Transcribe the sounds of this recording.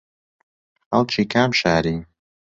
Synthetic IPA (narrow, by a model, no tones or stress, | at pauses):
ɐlˠt͡ʃʰiːkʰaːmʃaːɾiː